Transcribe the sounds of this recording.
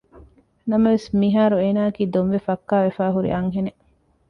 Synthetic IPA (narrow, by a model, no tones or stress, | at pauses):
nɐmɐʋesmiɦaːɾueːnaːɐkiːd̪onʋefɐkːaːʋefaːɦuɾḭʔɐŋɦene